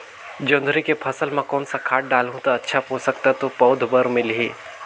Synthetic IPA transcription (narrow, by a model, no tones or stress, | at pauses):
d͡ʒõːnd̪ʱɾikepʰɐsəlmãkɔːnsakʰaːʈ̚ɖaːlɦũt̪aɐtːʃʰapoːsəkt̪at̪opɔːd̪ʱbəɾmɪlɦiː